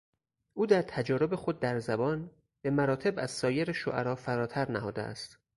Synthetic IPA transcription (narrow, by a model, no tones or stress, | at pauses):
ʔuːd̪æɾt̪ʰæd͡ʒɒːɾo̞be̞xod̪̚ːæɾzæbɒːn | b̥e̞mæɾɒːt̪ʰe̞bæz̥sɒːjeɾeʃo̰ʔæɾɒːfæɾɒːt̪ʰæɾnæhɒːd̪eʔæ̰st̪